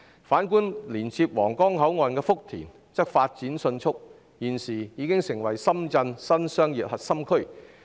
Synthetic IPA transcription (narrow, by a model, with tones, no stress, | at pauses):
faː˨˥nkuː˥nliː˨˩nt͡sʰiː˧p̚wɔː˨˩ŋkɔː˥ŋɦɐ˨˥wŋɔː˧nkɛː˧fʊ˥k̚t̪ʰḭː˨˩n | t͡sɐ˥k̚faː˧t̚t͡siː˨˥nsɵ˧nt͡ʃʰʊ˥k̚ | jiː˨˩nsiː˨˩jiː˨˧˥kɪ˥ŋsɪ˨˩ŋwɐ˨˩jsɐ˥mt͡sɐ˧nsɐ˥nsœː˥ŋjiː˨p̚hɐ˨t̚sɐ˥mkʰɵ˥ɥ